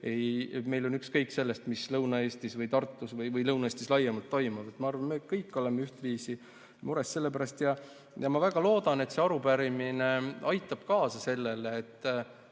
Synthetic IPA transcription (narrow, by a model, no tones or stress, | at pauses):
ejme̞jlo̞nykskɤjkse̞lːest̪mislɤwnɑe̞ːst̪isvɤjt̪ɑrt̪ːˑusvɤjvɤjlɤwnɑeːst̪islɑjːɑmɑlt̪ːo̞jmɑvet̪mɑɑrvɑnmekɤjkːˑo̞lemeyht̪viːsi | muɾesse̞lːepæɾɑst̪jɑ | jɑmɑvæɡ̥ɑlo̞ːd̪̥ɑne̞t̪se̞ɑɾupæɾimineɑjt̪ːˑɑb̥̚kɑːsɑse̞lːeleːt̪ːˑ